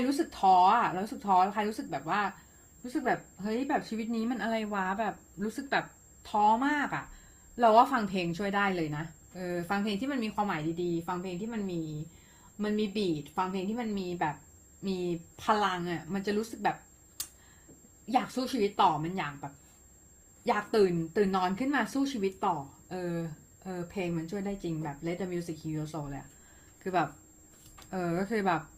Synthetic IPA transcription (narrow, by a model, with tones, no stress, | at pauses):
kʰa˧jɾuː˦˥sɯ˨˩k̚t̪ʰɔː˦˥ʔa˨˩ɾɾuː˦˥sɯ˨˩k̚t̪ʰɔː˦˥a˧˥wkʰa˧jɾuː˦˥sɯ˨˩k̚bɛː˨˩p̚waː˥˩ | ɾuː˦˥sɯ˨˩k̚bɛː˨˩p̚hɤ˦˥jbɛː˨˩p̚t͡ɕʰiː˧wi˦˥t̪̚niː˦˥ma˧nʔa˧ɾa˧jwaː˦˥bɛː˨˩p̚ɾuː˦˥sɯ˨˩k̚bɛː˨˩p̚ | t̪ʰɔː˨˦˥maː˥˩k̚ʔa˨˩ʔ | ɾɛ˧˥waː˥˩fa˧ŋpʰeː˧ŋt͡ɕʰu˥˩əjdaː˥˩jlɤː˧jna˦˥ | ʔɤː˧fa˧ŋpʰe˧ŋt̪ʰiː˥˩ma˧nmiː˧kʰwaː˧mːaː˩˦jdiː˧diː˧fa˧ŋpʰeː˧ŋt̪ʰiː˥˩ma˧nmiː˧ | ma˧nmiː˧biː˨˩t̪̚fa˧ŋpʰeː˧ŋt̪ʰi˥˩ma˧nmiː˧bɛː˨˩p̚ | miː˧pʰa˧la˧ŋʔa˨˩ma˧nt͡ɕa˨˩ɾuː˦˥sɯ˨˩k̚bɛː˨˩p̚ | jaː˨˩k̚suː˥˩t͡ɕʰi˧wi˦˥t̪ːɔː˨˩ma˧njaː˨˩k̚bɛː˨˩p̚ | jaː˨˩k̚t̪ɯː˨˩nt̪ɯː˨˩nːɔː˧nkʰɯ˥˩nmaː˧suː˥˩t͡ɕʰiː˧wi˦˥t̪ːɔː˨˩ʔɤː˧ | ʔɤː˧pʰeː˧ŋma˧nt͡ɕʰu˥˩əjdaː˥˩jt͡ɕi˧ŋbɛː˨˩p̚le˦˥t̪̚d̪a˧mi˧˥si˨˩k̚ʰːi˧o˧so˨˧˩lɤː˧˦jʔa̰˨˩ | kʰɯː˧bɛː˨˩p̚ | ʔɤː˨˧˩kɔː˥˩kʰɯː˧bɛː˨˩p̚